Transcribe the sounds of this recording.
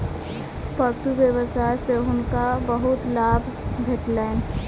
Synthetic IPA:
pəsubjəbəsajseɦʊnkabəɦʊt̪labʱbʱeʈlan

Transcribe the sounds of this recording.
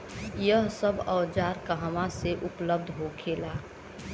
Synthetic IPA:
jəɦsəbɔːd͡ʒaːɾkaɦəmãseʔʊpləb̚d̪ʱɦokʰeːlaː

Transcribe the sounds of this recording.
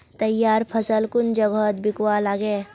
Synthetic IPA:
t̪ɐjːaːɾpʰɐsəlkʊnd͡ʒəɡət̪bɪkwalaːɡe

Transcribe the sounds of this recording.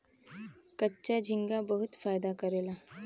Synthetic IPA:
kətːɕad͡ʑʱiŋɡabəɦut̪fajd̪akəɾela

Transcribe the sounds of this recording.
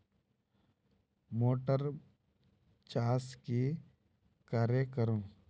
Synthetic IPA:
moːʈəɾ | t͡ʃaːske | kaːɾekəɾõː

